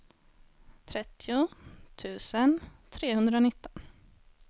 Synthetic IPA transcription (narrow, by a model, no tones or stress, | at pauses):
t̪ʰɾɛt̪ʰːɪʊt̪ʰʉ̟ːsənt̪ʰɾeːɦɵnd̪ɾaʊnɪt̪ːɔn